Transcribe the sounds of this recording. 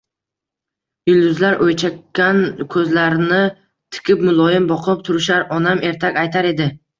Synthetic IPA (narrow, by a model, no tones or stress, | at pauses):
jɪlˠd̪ʊzlaɾʔojt͡ʃʰakʲːankʲʰɵzlaɾnɪ | t̪ʰɪ̥kʲʰɪpmʊlˠɒjɪmbɒqʰɨp̚t̪ʰʊɾɪʃaɾɒnamʔe̞ɾt̪ʰakʲajt̪ʰaɾe̞d̪ɪ